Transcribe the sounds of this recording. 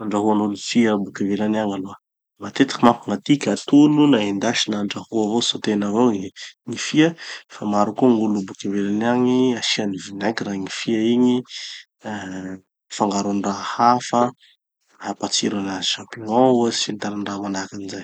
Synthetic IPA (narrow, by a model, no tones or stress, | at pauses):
aɳɖ͡ʐaɦuanulufiabukavelanaŋaloə | mat̪et̪ḁkimapuŋat̪ikʲat̪ulunaend̪aʃinaɳɖ͡ʐahuavosot̪enavoŋifiəfamaɾukuŋulubukavelanaŋiaʃianivinakiraŋifiaiɲi | faŋɡaɾunrahafə | hapat͡siɾanaziʃampiɔ̃uasint̪aɾanramanakanizaj